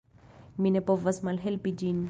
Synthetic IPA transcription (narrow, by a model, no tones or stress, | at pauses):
minepovasmalɦelpid͡ʒin